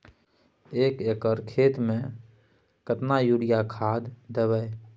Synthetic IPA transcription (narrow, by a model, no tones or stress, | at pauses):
eːkekəɾkʰeːt̪mẽ | kət̪najuɽijakʰaːd̪ːəwəe